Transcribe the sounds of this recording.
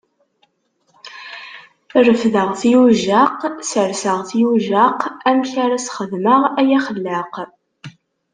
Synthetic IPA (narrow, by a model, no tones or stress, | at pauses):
rəfðəʁθijuʒaqsəɾsəʁθijuʒaqæmçaɾæsχəðməʁæjæχəlːəq